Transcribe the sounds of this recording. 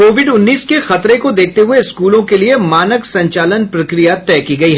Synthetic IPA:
koːʋɪɖʊnːiːskexɐt̪ɾekod̪eːk̚ʰt̪eɦʊeɪskuːlõkeliemaːnəksɐ̃ɲt͡ʃaːlənpɾɐkɾijat̪ɛːkiɡɐiɦɛ

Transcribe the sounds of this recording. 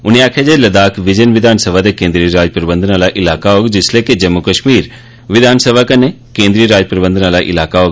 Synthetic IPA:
ʊniaːkʰed͡ʒelɐd̪aːkʰʋɪd͡ʒənʋɪd̪ʱaːnsəbʱad̪ekẽːnd̪ɾiːəɾaːd͡ʒpɾəbə̃nd̪ənaːlaʔɪlaːkaɦoːɡd͡ʒɪsleːkid͡ʒɐmːukəʃmiːɾ | ʋɪd̪ʱaːnsəbʱakɐne | kẽːnd̪ɾiːəɾaːd͡ʒpɾəbə̃nd̪ənalaʔɪ̰laːkaɦoːɡ

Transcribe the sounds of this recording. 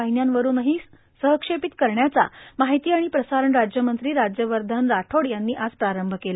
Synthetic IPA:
aɦinjanʋəɾuːnəɦiː | səɦəkʂepit̪kəɾɳjat͡sa̰maɦit̪iːaɽ̃ipɾəsaɾəɳɾad͡ʑjəmənt̪ɾiːɾad͡ʑjəʋəɾd̪ʱənɾaʈʰoɽjanːiːʔad͡zpɾaɾəmbʱəkela

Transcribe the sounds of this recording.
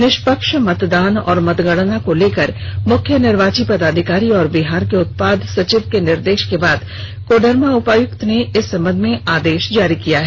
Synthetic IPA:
nɪʃpəkʃmɐt̪d̪aːnɔ̰ːɾmɐt̪ɡəɽnakoleːkəɾmʊkʰjənɪɾʋaːt͡ʃipɐd̪aːd̪ʱɪkaːɾiɔːɾbɪɦaːɾkeʊt̪̚paːd̪sɐt͡ʃɪʋkenɪɾd̪eːʃkebaːd̪ | koːɖəɾmaʊpaːjʊkt̪neɪsːɐ̃mbə̃nd̪ʱmẽaːd̪eːʃd͡ʒaːɾikijaɦɛ

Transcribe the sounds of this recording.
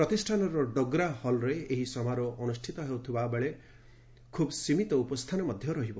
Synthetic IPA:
pɾɔt̪isʈʰanɔɾɔɖɔɡɾahɔlɾeeɦisɔmaɾɔʔɔnusʈʰit̪ɔɦewt̪ʰibabeɭe | kʰubsimit̪ɔupɔst̪ʰanɔmɔd̪ʱjɔɾɔɦibɔ

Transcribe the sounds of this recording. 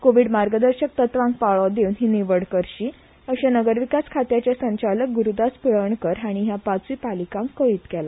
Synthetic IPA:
koʋiɖmaɾɡəd̪əɾɕək̚t̪ət̪ʋãŋkpaɭɔd̪ewnɦiːniʋəɽkəɾɕiː | əɕanəɡəɾʋikaskʰat̪jat͡ɕjasəɲt͡ɕalək̚ɡuɾud̪aspiɭəɳkəɾɦaɽ̃iɦjapat͡sʋiːpalikãŋkːəiːt̪kɛla

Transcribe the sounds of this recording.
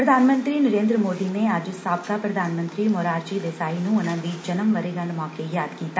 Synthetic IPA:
pɾəd̪ʱaːnmə̃nt̪ɾiːnɐɾẽːnd̪ɾəmoːd̪ineaːd͡ʒsaːpk̪apɾɐd̪ʱaːnmə̃nt̪ɾiːmoːɾaːɾd͡ʒid̪eːsaːinũʊnãːd̪iːd͡ʒɐnəmːɐɾeɡɐ̃ɳɖmɔ̃ːkejaːd̪kiːt̪a

